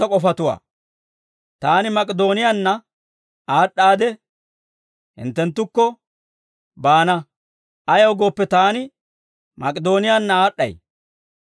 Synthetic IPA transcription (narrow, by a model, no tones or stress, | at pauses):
ɐkʼɔfɐt̪ʊwa̰ː | t̪aːnɪmɐkʼɛd̪o̞ːnɪjanːɐ | aːɗːaːd̪ɛ | hɪ̰nt̪ːɛnt̪ːʊkːɔ | baːnɐ | ɐjɐwɡo̞ːpːɛt̪aːnɪ | mɐkʼɪd̪o̞ːnɪjanːɐaːɗːɐ̰j